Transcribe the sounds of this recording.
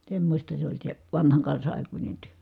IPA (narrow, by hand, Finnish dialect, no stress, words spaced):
semːosʲtɑ se olʲ se ʋɑnhɑŋ kɑnsɑ ʔɑˑikunʲe tyø